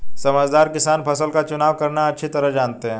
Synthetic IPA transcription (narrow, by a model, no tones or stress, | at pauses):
sɐməd͡ʒd̪aːɾkɪsaːnpʰɐsəlkat͡ʃʊnaːʋkɐɾnaɐtːʃʰit̪ɐɾəɦd͡ʒaːnt̪eɦɛ̃ː